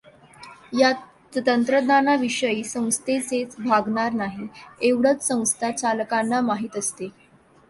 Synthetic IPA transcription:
ja | t̪ənt̪ɾəd̪anaʋiʂəiːsə̃w̃st̪ʰet͡set͡sbʱaɡɳaɾnaɦieʋɽət͡ssə̃w̃st̪ʰat͡ɕaləkanːamaɦiːt̪əst̪e

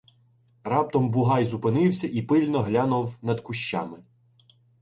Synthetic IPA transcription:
rɑp̚t̪ɔmbʊɦɑjzʊpɪnɪwsʲɐʔipɪlʲnɔɦlʲanʊwnɐd̪kʊʃt͡ʃa̰mɪ

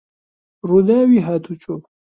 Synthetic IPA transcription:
ɾud̪awiɦat̪ʰut͡ɕo

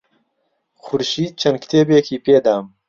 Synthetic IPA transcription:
xʊɾʃiːd̪̚t͡ʃʰɐnkʰt̪ʰeːbeːkiːpeːd̪aːm

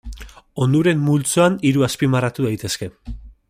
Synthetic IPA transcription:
o̞nd̪uɾe̞mːult͡soaniɾuaspimarat̪uðajt̪e̞ske̞

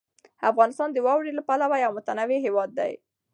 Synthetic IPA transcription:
afɣɑnɪst̪ɑnd̪əwɑwɽelapalawajawmʊt̪anaweɦewɑd̪ːa̰j

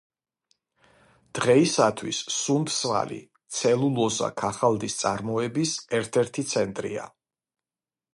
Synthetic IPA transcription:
d̪̥ʁɛisat̪ʰwisːumt̪sva̰lḭ | t̪sʰɛlˠulˠɔza̰kʰaχalˠd̪ist̪sʼaɾmɔɛbisɛɾt̪ʰɛɾt̪ʰit̪sʰɛnt̪ʼɾḭa̰

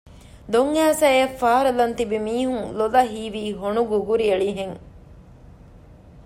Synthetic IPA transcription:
d̪oŋæːsɐeːfaːɾɐlɐnt̪ibimiːɦuŋlolɐɦiːʋiːɦonuɡuɡuɾiɐɭiɦeŋ

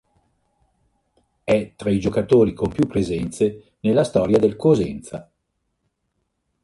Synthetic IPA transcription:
ɛt̪ːɾaid͡ʒokat̪oːɾikompjupːɾezɛnt̪se | nelːast̪ɔːɾjad̪elkozɛnt̪sa

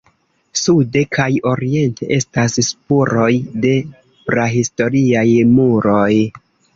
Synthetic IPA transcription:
sude̞kʰajo̞ɾie̞nte̞̰ʔe̞stasspuɾo̞jde̞ | bɾaɦisto̞ɾiajmuɾo̞j

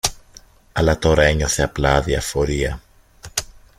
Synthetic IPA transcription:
ɐlɐt̪o̞ɾɐe̞ɲo̞θe̞ɐplɐðiɐfo̞ɾiɐ

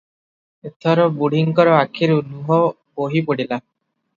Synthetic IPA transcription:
et̪ʰɔɾɔbuɽ̤iŋkɔɾɔakʰiɾunuɦɔ | boɦipɔɽila

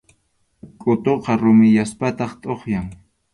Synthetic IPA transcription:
kʼʊt̪oqɑɾʊmɪjaspat̪ɑχt̪ʼoχjaŋ

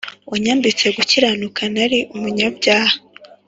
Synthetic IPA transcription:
waɲaːmbit͡se̞ɡuciɾanukʰanaɾiʔumuɲabɟaːha

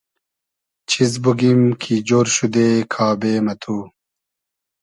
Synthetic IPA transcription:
t͡ɕʰizbuɡimkʰid͡ʑoːɾɕud̪eːkʰaːbeːmɐt̪ʰuː

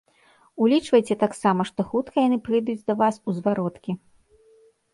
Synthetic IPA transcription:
ulʲit͡ʂvɐjt͡sʲɛt̪aksamɐʂt̪ɔxut̪kɐjanɨpɾɨjd̪ud͡zʲd̪ɐvasuzvaɾɔt̪kʲi

